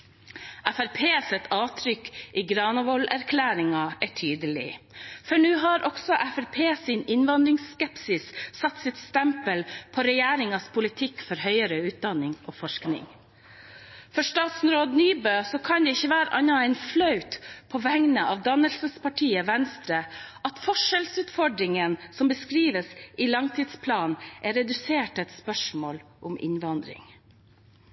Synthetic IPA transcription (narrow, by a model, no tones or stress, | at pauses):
ʔæfæɾpʰeːsɛt̪ʰɑːt̪ʰɾʏkʔiːɡɾɑːnəʋɔlæɾkʰlæːɾɪŋɑʔæʈʰyːd̪əlɪ̰fɔɳʉːɦɑɾʔɔɡ̥sɔʔæfæɾpʰeːsɪnɪnʋɑnd̪ɾɪŋsːkɛpsɪssɑt̪ːsɪt̪st̪ɛmpəlpʰɔɾɛjæːɾɪŋɑspʰʊlɪt̪ʰɪkːfɔɾhœʏəɾəʉːt̪̚d̪ɑnːɪŋʔoːfɔʂknɪ̰ŋ | fɔʂt̪ɑːt̪snɾoːd̪nyːbøːsɔkʰɑnd̪ɛɪçːəʋæːɾəʔɑnɑæɪnflœʉt̪pʰɔʋæŋnəʔɑʋd̪ɑnəlsəspɑʈʰiːəʋɛnst̪ɾəʔɑt̪fɔʂɛlsʉːt̪fɔɖɾɪŋənsɔmbəskɾiːʋəsʔɪlɑŋt̪ʰɪd̪spʰlɑːnʔɛɾɛd̪ʉseːʈɛt̪spœʂmoːlʔʊmʔɪ̰nʋɑnd̪ɾɪ̰ŋ